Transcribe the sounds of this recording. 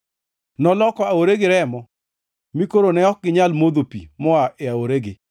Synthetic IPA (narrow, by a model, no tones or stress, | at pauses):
nɔlɔkɔaoɾeɡɪɾɛmɔ | mikoɾonɛɔk̚ɡɪɲalmod̪opḭmɔaʔeaoɾeɡɪ